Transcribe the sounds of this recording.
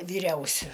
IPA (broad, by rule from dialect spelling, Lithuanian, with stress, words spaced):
ʋʲiːˈrʲɛʊsʲʊ